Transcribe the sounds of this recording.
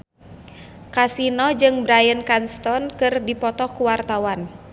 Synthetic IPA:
kasinɔd͡ʒɨŋbɾajənkanst̪ɔnkɨrdipɔt̪ɔkuwart̪awan

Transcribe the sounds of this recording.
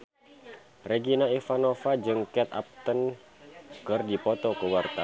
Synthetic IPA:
reɡinaifanofad͡ʒɨŋkɛt̪a̰p̚t̪ən | kɨrdipɔt̪ɔkəwart̪a

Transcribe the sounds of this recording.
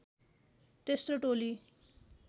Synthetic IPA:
t̪est̪oʈoli

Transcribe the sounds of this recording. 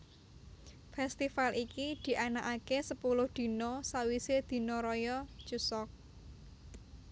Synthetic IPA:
fɛst̪ifalikid̪̥i̤ʔanaʔakesəpulʊhd̪̥i̤nɔsawised̪̥i̤nɔɾɔjɔ̥t͡ʃusɔk̚

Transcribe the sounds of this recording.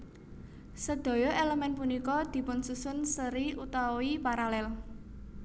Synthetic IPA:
səd̪̥ɔ̤jɔʔeləmɛnpunikɔd̪̥i̤pʊnsusʊnsəɾiʔut̪awoipaɾalɛl

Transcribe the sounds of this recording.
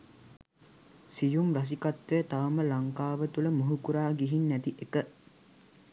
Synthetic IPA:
sijumras̬ikat̪ʋejət̪aʋɐməlaŋkaːʋət̪uləmuɦukuɾaːɡiɦinːæt̪iʔekə

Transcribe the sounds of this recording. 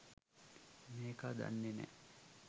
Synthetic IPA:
meːkad̪a̰nːenḛ

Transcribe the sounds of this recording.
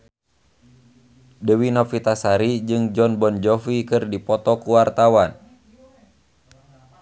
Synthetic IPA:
dəwinɔfit̪asaɾid͡ʒɨŋd͡ʒɔnbɔnd͡ʒɔfikɨrdipɔt̪ɔkuwart̪awan

